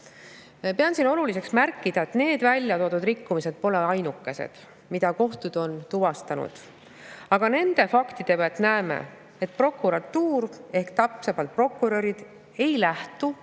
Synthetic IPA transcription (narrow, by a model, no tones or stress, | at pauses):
peɑnsino̞lulise̞ksmærkːˑid̪̥ɑe̞t̪ːne̞ːd̪̥vælʲjɑt̪o̞ːd̪̥ud̪rikːumise̞d̪̥̚po̞le̞ɑjnukːe̞se̞̰d̪̥ | mid̪̥ɑko̞ht̪ud̪̥o̞nt̪uvɑst̪ɑnṵd̪̥ | ɑɡ̥ɑne̞nd̪̥e̞fɑkt̪id̪̥e̞peɑt̪ːˑnæemḛ | et̪̚ˑpro̞kːˑuɾɑt̪ːuːɾe̞hkt̪ɑpsemɑlt̪̚pro̞kːˑuɾø̞ɾid̪̥ | e̞jlæht̪u